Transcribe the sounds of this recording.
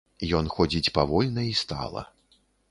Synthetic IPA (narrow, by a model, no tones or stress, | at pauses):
jɔnxɔd͡zʲit͡sʲpavɔlʲnɐist̪a̰lˠɐ̰